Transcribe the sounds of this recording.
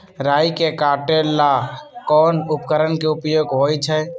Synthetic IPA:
ɾaːjikekaːʈeːlːakɔːnʊpkəɾənkeʊpjoːɡɦoːit͡ʃʰɛ

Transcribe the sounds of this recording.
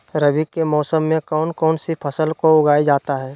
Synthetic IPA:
ɾəbikemɔːsəmːẽkɔːnkɔːnsipʰəsəlkoʊɡaːjd͡ʒaːt̪aɦɛː

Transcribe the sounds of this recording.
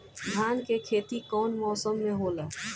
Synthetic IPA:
d̪ʱaːnkekʰeːt̪ikɔːnmɔːsəmːẽɦoːlaː

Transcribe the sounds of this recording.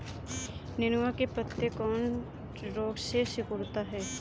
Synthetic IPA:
nɪnʊʋakepət̪ːekɔːn | ɾoːɡsesɪkʊɾt̪aɦɛː

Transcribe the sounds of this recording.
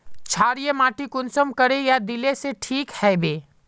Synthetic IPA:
t͡ʃʰaːɾijemaːʈikʊnsəmkəɾejad̪ileseʈʰiːkhɛːbeː

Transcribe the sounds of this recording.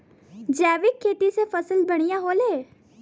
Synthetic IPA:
d͡ʒɛːʋɪkʰːeːʈ̪isepʰɐsəlbəɽ̃ijaɦoːleː

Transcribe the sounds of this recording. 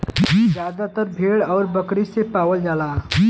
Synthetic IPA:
zjaːd̪at̪əɾbʱeːɽɔːɾbəkɾisepaːwəld͡ʒaːla

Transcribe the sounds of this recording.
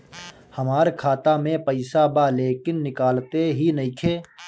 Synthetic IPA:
həmaːɾkʰaːt̪amẽpəɪsabaleːkɪnːɪkaːlt̪eɦinɐɦikʰeː

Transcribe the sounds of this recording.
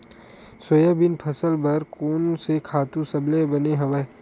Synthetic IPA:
sojəbɪnpʰɐsəlbɐɾkoːnsekʰaːt̪ũsɐblebɐneɦɐ̃ʋə

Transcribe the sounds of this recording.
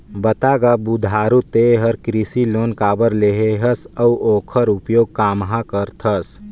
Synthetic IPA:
bət̪aːɡabud̪ʱaːɾut̪eɦəɾkɾisiloːnkaːbəɾleɦeɦəsəwʔoːkʰəɾʊpjoːɡ̚kaːmɦãkəɾt̪ʰəs

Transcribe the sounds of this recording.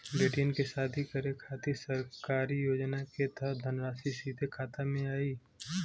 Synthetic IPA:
beːʈinkesaːt̪ʰikəɾekʰaːt̪isəɾkaːɾijoːd͡ʒnaket̪əd̪ʱənɾaːsisiːd̪ʱekʰaːt̪amẽaːiː

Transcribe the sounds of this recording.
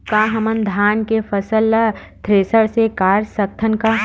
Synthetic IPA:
kaɦɐmənd̪ʱaːnkepʰəsəl | t̪ʰɾeːsəɽsekaːɾsək̚t̪ʰənka

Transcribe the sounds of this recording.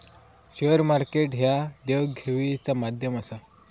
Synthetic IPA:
ɕeəɾmaɾkeʈɦjad̪eʋɡʱeʋit͡samad̪ʱjəməsa

